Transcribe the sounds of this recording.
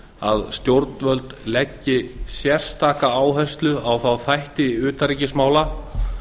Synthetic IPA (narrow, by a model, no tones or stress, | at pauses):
a̰ðst̪jowɾt̪nvœlt̪lɛcːɪsjɛr̥st̪ʰaːkaaːwɦɛst̪lʏawθawθajht̪ɪʏːt̪aɾiːcɪsmaːwla